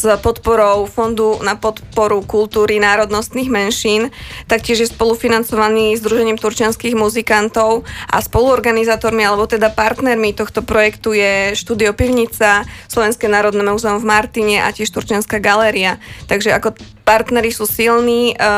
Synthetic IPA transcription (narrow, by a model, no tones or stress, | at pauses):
zpɔt̪pɔɾɔʊfɔnd̪unapɔt̪pɔɾukulˠt̪uːɾinaːɾɔd̪nɔst̪niːɣmɛnʃiːnt̪akcɪɛʒjɛspɔlufinant͡sɔʋaniːzd̪ɾuʒɛɲiːmt̪uɾt͡ʃɪanskiɣmuzikant̪ɔʊʔa̰spɔluɔɾɡanizaːt̪ɔɾmialɛbɔt̪ɛd̪apaɾt̪nɛɾmit̪ɔxt̪ɔpɾɔjɛkt̪ujɛʃt̪uːd̪iɔpiʊɲit͡saslɔʋɛnskɛnaːɾɔd̪nɛːmuːzɛɔmvmaɾt̪iɲɛʔa̰cɪɛʃt̪uɾt͡ʃanskaɡalɛɾiat̪aɡʒɛakɔ | paɾt̪nɛɾisuːsilniː